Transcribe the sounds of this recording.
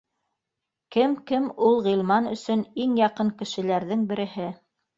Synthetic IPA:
kɘmkɘmulˠʁɤlˠmɑnɵ̆sɵniŋjɑqɤŋkɘ̆ʃɘ̆læɾðɘŋbɘ̆ɾɘ̆hɘ

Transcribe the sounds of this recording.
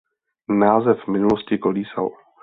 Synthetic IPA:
naːzɛfmɪnuloscɪkoliːsa̰l

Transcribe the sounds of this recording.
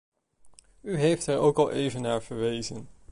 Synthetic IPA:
yɦejftəɹo̰wkɑlˠʔejvənːaːɹv̥əɹʋejzən

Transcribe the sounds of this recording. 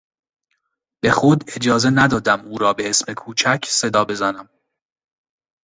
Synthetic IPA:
b̥e̞xod̪e̞d͡ʒɒːze̞næd̪ɒːd̪æmuːɾɒːbe̞esme̞kʰuːt͡ʃʰæcʰse̞d̪ɒːbe̞zænæm

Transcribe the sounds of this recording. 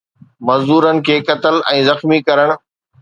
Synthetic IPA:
mɐzd̪uːɾənɪ̆kʰeːkɐt̪əlɛ̃ːzɐxmikɐɾəɽ̃̆

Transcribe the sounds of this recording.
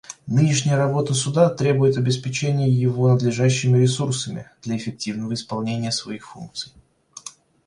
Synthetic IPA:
nɨnʲɪʂnʲɪjəɾɐbo̞t̪əsʊd̪at̪ɾʲe̞bʊjɪt̪ɐbʲɪspʲɪt͡ɕenʲɪjəjɪvo̞nəd̪lʲɪʐaɕːɪmʲɪɾʲɪsursəmʲɪ̰d̪̥lʲɐɪfʲɪk̚tʲivnəvəɪspɐlˠnʲenʲɪjəsvɐixfunk̚t̪sɨj

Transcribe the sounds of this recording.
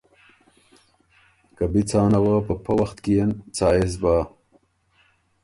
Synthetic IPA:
kɐbit͡sʰaːnɐwapəpʰɐwɐxt̪kijent͡saːezbaː

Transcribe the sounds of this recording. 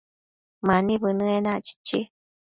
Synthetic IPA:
manĩβɨnɨ̃enãʔt͡ʃi̥t͡ʃḭ

